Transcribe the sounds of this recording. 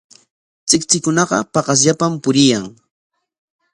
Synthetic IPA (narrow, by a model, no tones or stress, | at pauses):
t͡sɪkt͡sɪkʊnɑɢɑ̰pɑɢɑs̬ʎapampʊɾɪjaŋ